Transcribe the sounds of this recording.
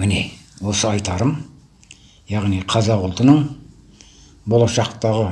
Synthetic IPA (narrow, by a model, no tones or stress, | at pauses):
mɪnewo̞səɑjt̪ɑɾəm | jɑʁnijqʰɑzɑqʊlˠt̪ənəɴ | bolˠɑʃɑq̚t̪ɑʁə